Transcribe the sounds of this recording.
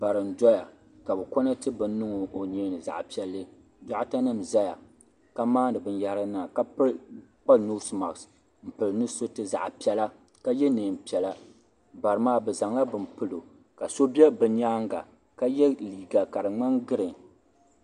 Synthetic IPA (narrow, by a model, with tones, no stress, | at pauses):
ba˨ɾɨ˨n̩˨dɔ˦ja˨ | ka˨bɛ˨kɔ˦na˦tɨ˦bɨ˨nː˦ɨ˦ŋʊ˨ʔo˨ɲeː˦nɨ˨za̰˨ʔpi˦ɛ˦lːɨ˦ | da˦ʔta˦nɨ˦m˨za˦ja̰˨ | ka˦maː˦nɨ˨bɨ˨n˦ja˨ɾɨ˦na˨ka˦pk͡pa˦lnu˦sma̰˨ks | m̩˨pɨ˨lɨ˨nɨ˦so˦tɨ˦za̰˨ʔpi˦ɛ˦la˦ | ka˦jɛ˦nɨ˨m˨pi˨ɛ˨la˦ | ba˨ɾɨ˨maː˦bɛ˨za˨ŋla˦bɨ˨m˨pɨ˦lo˨ | ka˨so˦bi˦ɛ˦bɨ˨ɲaː˦ŋɡa̰˨ | ka˦jɛ˦liː˨ɡa˨ka˨ɾɨ˨ŋ͡ma˦ŋɡɨ˦ɾɨ˨ŋ